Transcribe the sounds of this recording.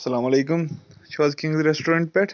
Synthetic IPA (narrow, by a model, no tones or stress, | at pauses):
sɐlaːmɐleːkʊmʃiʋaːzkĩŋɡd̪ɾɛsʈoːɾãɳʈ̚pɛʈʰ